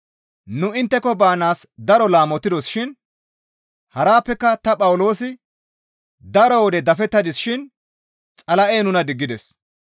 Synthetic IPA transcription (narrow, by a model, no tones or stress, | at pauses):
nʊɪnt̪ːɛkɔbaːnaːsd̪ɐɾɔlaːmɔt̪ːɪd̪ɔsʃɪn | hɐɾaːpːɛkːɐt̪ɐpʼɐwʊlo̞ːsɪ | d̪ɐɾɔwɔd̪ɛd̪ɐfɛt̪ːɐd̪ɪsʃɪn | t͡sʼɐlɐʔeːnʊnɐd̪ɪɡːɪd̪ɛs